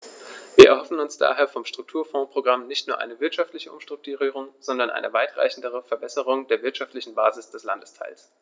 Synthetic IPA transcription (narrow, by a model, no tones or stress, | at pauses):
viːɐɛɐhɦɔfn̩ʊnsd̥a̰ːɦeːɐfɔmʃtʁ̥ʊk̚tʰuːɐfɔ̃ːpʁ̥oɡʁamnɪçtnuːɐʔa̰ɪnəvɪɐtʃaftlɪçəʔʊ̰mʃtʁ̥ʊk̚tuʁiːʁ̞ʊŋz̥ɔndɐnʔa̰ɪnəvaɪtʁa̰ɪçn̩dəʁ̞əfɛɐbɛsəʁʊŋdeːɐvɪɐtʃaftlɪçn̩baːzɪsd̥ɛslandəstʰaɪls